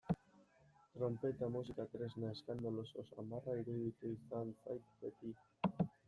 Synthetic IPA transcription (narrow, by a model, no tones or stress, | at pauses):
t̪ɾompet̪amusikat̪ɾeznaeskand̪alososa̰marajɾuðit̪ejθanfajt̪pet̪i